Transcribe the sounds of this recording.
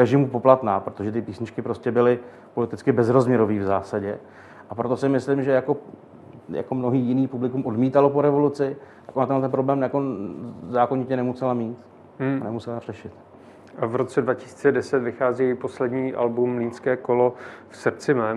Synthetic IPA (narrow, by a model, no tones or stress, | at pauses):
ɾɛʒɪmupo̞plat̪naːpɾo̞t̪oʒɛt̪ɪpiːsɲɪt͡ʃkɪpɾo̞scɛbɪlɪ | po̞lɪt̪ɪt͡skɪbɛzɾo̞zmɲɛɾoviːvzaːsaɟɛ | ʔapɾo̞t̪o̞sɪmɪslɪmʒɛjako̞ | ja̰komno̞ɦiːjɪniːpublɪkumʔo̞dmiːt̪alopoɾɛvo̞lut͡sɪt̪akʔonat̪ɛnlɛt̪ɛnpɾo̞blɛːmjako̞zaːkoɲɪcɛnɛmusɛlamiːt̪ | anɛmusɛlar̥ɛʃɪt̪ | ʔavɾot͡sɛdvacɪ̥si̥ːt͡sɛdɛsɛt̪vɪxaːziːjɛjɪposlɛdɲiːʔa̰lbumliːnskɛːkolo̞fsrt͡sɪmɛːn